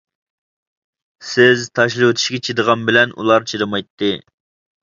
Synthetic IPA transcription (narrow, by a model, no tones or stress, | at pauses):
sɪzt̪ʰɑʃlˠɨwt̪ʰɪ̥ʃɡʲɛt͡ʃʰid̪əʁɑnbɪlɛnʔṵlˠɑɾt͡ʃʰiɾɨmɑjt̪ːɨ